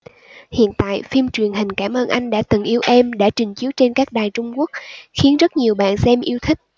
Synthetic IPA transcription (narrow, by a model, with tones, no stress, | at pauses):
hḭ˧˨ənt̪a̰ː˧˨jfi˧mt͡ɕwi˨˩ənɦï˨˩ŋ̟kaː˧˩mʔəː˧nʔa˧jŋ̟ɗa̰ː˧˥t̪ɨ˨˩ŋʔi˧əwʔɛ˧mɗa̰ː˧˥t͡ɕï˨˩ŋ̟t͡ɕi˨˦əwt͡ɕe˧nkaː˦˥k̚ɗaː˨˩jt͡ɕʊ˧ŋ͡mku˦˥ək̚xi˨˦ənzə˦˥t̚ɲi˨˩əwɓa̰ː˧˨nsɛ˧mʔi˧əwt̪ʰï˦˥k̚